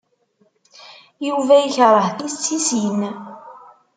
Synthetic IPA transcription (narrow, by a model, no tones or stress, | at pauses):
juvæjəçɾˤəhθist͡sːisin